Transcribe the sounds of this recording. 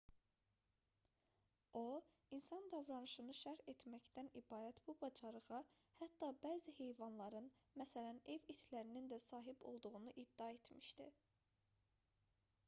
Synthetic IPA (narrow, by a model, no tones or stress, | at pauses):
o | insɑnd̪ɑvɾɑnɯʃɯnɯʃæɾet̪mæcd̪ænibɑːɾæt̪b̥ubɑd͡ʒɑɾɯʁɑ | hæt̪ːɑbæːzihe̞jvɑnlˠɑɾɯn | mæsælæne̞vit̪ʰlæɾinind̪æsɑːɦibo̞̰lˠd̪uʁunuʔid̪̥ːiɑe̞t̪ʰmiʃd̪ḭ